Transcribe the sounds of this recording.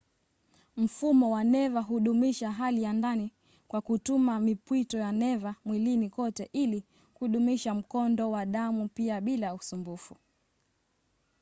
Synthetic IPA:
m̩fumɔwanɛvaɦuɗumiʃaɦalijandani | kwakutumamipwitɔjanɛvamwilinikɔtɛʔili | kuɗumiʃam̩kɔndɔwaɗamupiaɓilausumbufu

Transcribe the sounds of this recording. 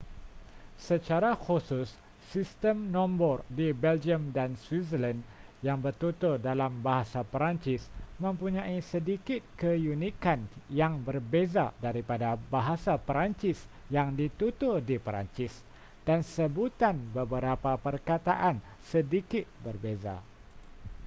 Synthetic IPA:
sət͡ʃaɾaxusʊsː | ist̪əmnɔ̃mbɔrdibɛld͡ʒiəmdanswisəlandjaŋbərt̪ut̪ʊrdalambaɦasapəɾaɲt͡ʃɪsmə̃mpuɲãisədikɪt̪̚kəjunĩkanjaŋbərbezadaɾipadabaɦasapɾant͡ʃɪs | jaŋdit̪ut̪ʊrdipɾa̰nt͡ʃɪs | d̥ansəbut̪anbəbəɾapapərkat̪aʔan | sədikɪt̪̚bərbeza̰

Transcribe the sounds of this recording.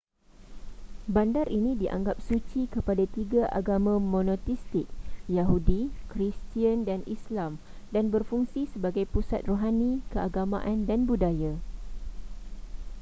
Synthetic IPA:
bandaɾʔinĩdiʔa̰ŋɡap̚sut͡ʃikəpadat̪iɡaʔa̰ɡamãmõnɔt̪ist̪ɪk̚jaɦudikɾist̪iandanislam | danbərfuŋsisəbaɡajpusa̰t̪̚roɦanĩkəʔaɡamã̰ʔandanbudaja

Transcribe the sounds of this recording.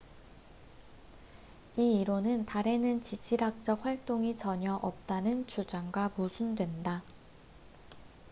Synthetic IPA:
iiɾonɯntaɾe̞nɯnt͡ɕid͡ʑʰiɾak̚t͡ɕ͈ʌk̚ɸwaɭt͈oŋit͡ɕʌɲʌʔʌp̚t͈anɯnt͡ɕʰud͡ʑaŋɡwamusʰundwe̞nda

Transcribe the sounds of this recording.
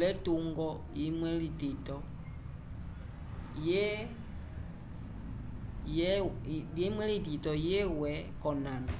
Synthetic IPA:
lɛtoŋɡɔ | jimwɛlitetɔ | je | jɛemwɛlititɔjewɛkɔnãna

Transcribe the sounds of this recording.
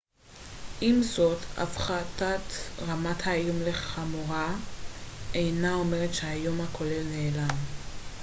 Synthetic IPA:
ʔimzo̞tʰa̰fχatat̪ʁamathajomle̞χχamuʁa | ejnao̞me̞ʁetʃeajo̞mhakʰo̞le̞lne̞ːlam

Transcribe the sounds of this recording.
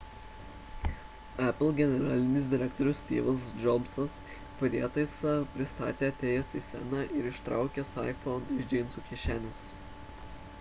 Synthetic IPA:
æpʲlʲˠɡʲɛnʲɛɾɑːlʲɪnʲɪsd̪ʲɪɾʲɛkt̪ɔɾʲʊsʲt̪ʲḭːʋɐsd͡ʒɔbsɐs | pɐɾʲeɛt̪ɐɪsɐpʲɾʲɪst̪ɑ̰ːt̪ʲeːɐt̪ʲeːjɛsiːsʲɛ̰nɑːʔɪɾɪʃt̪ɾɑ̰ˑʊkʲɛsɑ̰ɪfɔnɪʒʲd͡ʒʲeːnsuːkʲiʃʲæːnʲɪs

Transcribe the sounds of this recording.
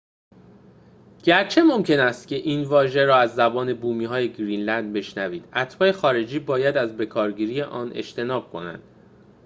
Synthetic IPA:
ɟ̥æɾt͡ʃʰe̞mo̞mcʰe̞næst̪cʲʰe̞ʔiːnvɒːʒe̞ɾɒːæzːæbɒːne̞buːmiːɦɒːje̞ɡɾiːnlænd̪̚be̞ʃnæviːd̪̥æt̪ʰbɒːjexɒːɾe̞d͡ʒiːbɒːjæd̪æzbe̞kʰɒːɾɟiːɾiːjeʔɒːnʔḛʃt̪ʰe̞nɒːb̥̚kʰo̞̰næ̰nd̪̥

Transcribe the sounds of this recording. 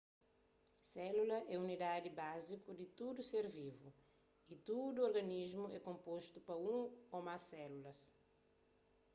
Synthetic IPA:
sɛlulɐʔɛunid̪ad̪ibazikud̪it̪ud̪useɾvivu | it̪ud̪uoɾɡɐniʒmuɛkõmpoʃt̪upɐũomasɛlulɐs

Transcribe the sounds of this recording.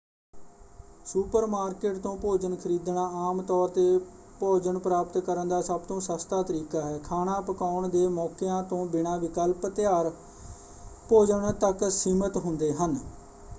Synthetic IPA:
suːpəɾmaːɾkeːʈt̪õːpoːd͡ʒəɳkʰəɾiːd̪ɳãːaːmt̪ɔːɾt̪eː | poːd͡ʒəɳpɾaːpət̪kəɾənd̪aːsəb̚t̪õːsəst̪aːt̪əɾiːkaːɦɛːkʰaːɳãːpəkaːʊɳd̪eːmɔːkɪjãːt̪õːbɪɳãːʋɪkəlpt̪ɪjaːɾ | poːd͡ʒəɳt̪əksiːmət̪ɦʊnd̪eːɦən

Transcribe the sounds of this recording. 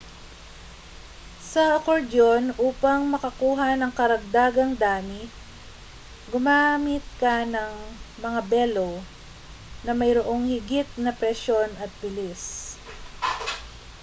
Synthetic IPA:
sɐʔɐkoɹd̪o̞nʔuːpɐŋmɐkɐkuːɦɐnɐŋkɐɾɐɡ̚d̪aːɡɐŋd̪aːmɪ | ɡʊmaːmɪt̪̚kɐnɐŋmɐŋabɛlo | nɐmɐjɾoʔo̞ŋhɪɡɪt̪̚nɐpɾɛʃo̞nɐt̪̚bɪlis

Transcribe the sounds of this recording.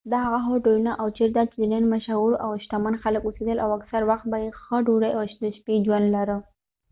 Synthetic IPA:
d̪ɑɦaɣaɦoʈojunaʔawt͡ʃeɾt̪at͡ʃɪd̪ənənmaʃauɾawʃt̪amanxaləkused̪əlʔawaksaɾwaxt̪̚bajexəɖuɾajaʃt̪əʃpid͡ʒwand̪laɾə

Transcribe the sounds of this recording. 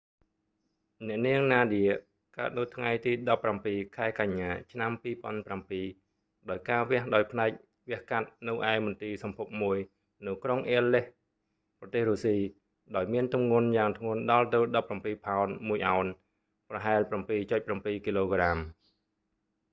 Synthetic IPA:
nɛ̆əʔniəŋnaːɗiə | kaət̪̚nɨwt̪ʰŋajt̪iːɗɑpːrampiːkʰaɛkaɲːaːt͡ɕʰnampiːpŏənprampiː | ɗaɔjkaːʋɛ̆əhɗaɔjpʰnaɛk̚ | ʋɛ̆əhkat̪̚nɨwʔaɛmʊnt̪iːsɑmpʰup̚muəj | nɨwkroŋʔeəlːeh | prɑt̪eːhruːsiː | ɗaɔjmiənt̪umŋŭənjaːŋt̪ʰŋʊ̆ənɗɑlt̪ɨwɗɑpːrampiːpʰaɔnmuəjʔaɔn | prɑɦaɛlprampiːt͡ɕʊc̪̚prampiːkiːloːɡram

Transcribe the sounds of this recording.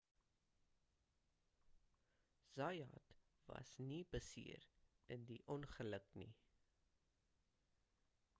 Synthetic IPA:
z̥ɐjɑt | vɐ̰snibəsḭəɾəndiʔɔnχələknḭ

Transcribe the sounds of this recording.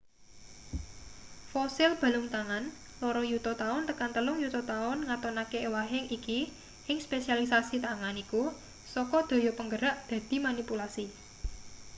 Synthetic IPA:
fɔsɪlb̥a̤lʊŋt̪aŋan | lɔɾɔjut̪ɔt̪aʊnt̪əkant̪əlʊŋjut̪ɔt̪aʊnŋat̪ɔnakeewaɦɪŋiki | hɪŋspesialisasit̪aŋaniku | sɔkɔd̪̥o̤jɔpəŋɡəɾaʔd̪̥ä̤d̪̥i̤manipulasi

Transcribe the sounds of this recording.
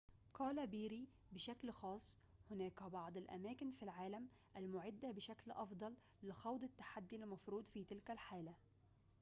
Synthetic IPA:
qɑːlæbiːɾi | bɪʃæklxɑːsˤː | hʊnæːkbɑʕd̪ˤɪlʔæ̰mæːkɪnfilʕaːlæm | ʔælmʊʕɪd̪ːæbɪʃæklʔɑfd̪ˤɑlː | ɪxɑwd̪ˤɪt̪ːḁħad̪ːilːmɑfɾuːd̪ˤfiːt̪ɪlkælħaːlæ

